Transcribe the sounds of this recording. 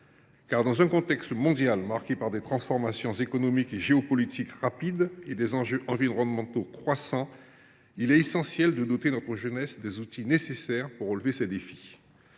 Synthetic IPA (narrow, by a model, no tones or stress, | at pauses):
kaʁd̪ɑ̃zɛ̃kɔ̃t̪ɛkst̪mɔ̃d̪jalmaʁkepaʁd̪et̪χɑ̃sfɔʁmasjɔ̃zekɔnɔmikeʒeɔpɔlit̪ʰikʁapid̪ed̪ezɑ̃ʒøʔɑ̃viʁɔʁɔ̃nmɑ̃t̪okχwasɑ̃ | ilɛt̪esɑ̃sjɛld̪əd̪ɔt̪enɔt̪χəʒənɛsd̪ezut̪inesesɛʁpuʁːəlvesɛd̪efi̥